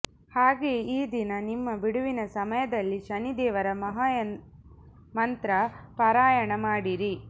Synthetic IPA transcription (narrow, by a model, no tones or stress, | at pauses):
haːɡeːiːd̪inɐnimːɐbiɽuʋinɐsɐmɐjɐd̪ɐlːiʃɐnid̪ɛːʋɐɾɐmɐɦa | mɐnt̪ɾɐpɐɾaːjɐɳɐmaːɽiɾi